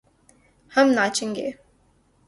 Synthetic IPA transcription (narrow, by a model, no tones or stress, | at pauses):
hɐmnaːt͡ʃẽŋɡḛː